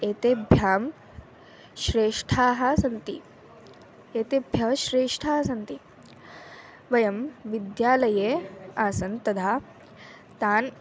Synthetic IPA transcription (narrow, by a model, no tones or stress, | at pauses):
eːt̪eːbʱjaːm | ʃɾeːʂʈʰaːɦɐ̆sɐnt̪i | eːt̪eːbʱjɐʃɾeːʂʈʰaːɦɐsɐnt̪i | ʋɐjɐmʋid̪jaːlɐjeːaːsɐnt̪ɐd̪ʱaː | t̪aːn